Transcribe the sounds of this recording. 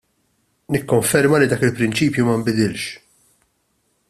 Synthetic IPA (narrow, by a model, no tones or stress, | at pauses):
nɪkːɔɱfɛɾmɐlid̪ɐːkɪlpɾɪnt͡ʃiːpjumɐmbɪd̪ɪlʃ